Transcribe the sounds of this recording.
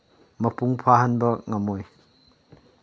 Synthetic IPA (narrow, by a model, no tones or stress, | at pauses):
mɐpuŋpʰaɦɐnbɐŋɐmoj